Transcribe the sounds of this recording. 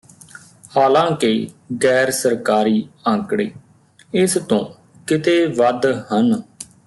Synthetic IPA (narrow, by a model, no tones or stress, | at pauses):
haːlãːkeːɡɛːɾsəɾkaːɾiːə̃ŋkɽeː | ɪst̪õː | kɪt̪eːʋəd̪hən